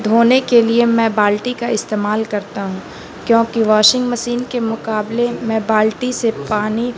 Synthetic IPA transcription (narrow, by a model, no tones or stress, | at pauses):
d̪ʱɦoːnekeliemɛ̃baːlʈikaɪst̪eːmaːlkɐɾt̪aɦũː | kjõːkiʋaːʃɪ̃ŋɡmɐsiːnkemʊqaːblemɛ̃ːbaːlʈisepaːni